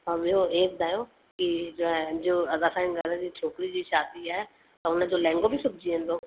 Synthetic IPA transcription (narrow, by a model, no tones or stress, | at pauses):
ɔːɾmeoeːk̚d̪aːjoː | kɪd͡ʒoːɛ̃ːd͡ʒoːəd̪aːsaːɪnɡəd̪ɛ̃ːkit͡ʃʰoːkɾiːd͡ʒiːʃaːd̪iːɛː | t̪ãːʊnãːd͡ʒoːlɛ̃ːŋɡoːbʱiːsʊb̚d͡ʒiːẽnd̪oː